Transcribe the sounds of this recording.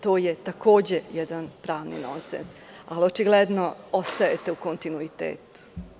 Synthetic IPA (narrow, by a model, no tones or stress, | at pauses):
t̪oːjet̪ako̞ːd͡ʑejed̪anpɾaːʋnḭno̞̰nsḛns | aliot͡ʃiɡled̪noo̞st̪ajet̪e̞uko̞nt̪inuit̪ḛːt̪u̥